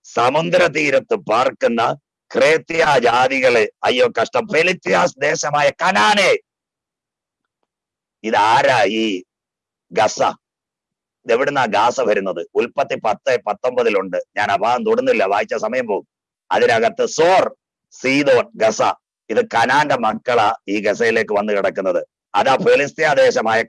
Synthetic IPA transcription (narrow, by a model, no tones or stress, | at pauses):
sɐmund̪ɾɐt̪̬iːɾɐt̪ːɨpaːrkunːɐ | kreːt̪ːijaːd͡ʑaːðiɣɐɭeɐjːoːkɐʂʈɐmpe̞lit̪ːjaːsd̪e̞ːɕɐmaːjɐkɐnaːne̞ː | iðɨaːɾaːiː | ɡɐsɐ̰ | eʋiɽunːaːɡaːsɐʋʱɐɾunːɐðɨulpɐt̪ːipɐt̪ːepɐt̪ːo̞mbɐðiluɳɖɨɲaːnɐbaːnt̪uɽunːilːɐʋaːjit͡ɕːɐsɐmɐjɐmpo̞ːɣum | ɐ̰ðinɐɣɐt̪ːɨsoːr | siːd̪o̞ːnɡɐsɐ̰ | iðɨkɐnaːndemɐkːɐɭɐiːɡɐsɐjile̞ːkːɨʋɐnːɨkiɽɐkːunːɐðɨ | ɐðaːfe̞list̪ijaːd̪e̞ːɕɐmaːjɐ